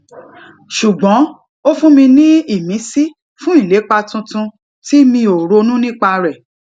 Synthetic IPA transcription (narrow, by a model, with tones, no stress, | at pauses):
ʃu˨ɡ͡bɔ̃˨˦ | o˦fũ˦mĩ˧nĩ˦i˦˨mĩ˨˦si˦ | fũ˦i˦˨le˨˦k͡pa˧tũ˧tũ˧ | ti˦mĩ˧o˨ɾo˧nũ˦nĩ˦k͡pa˧ɾɛ˨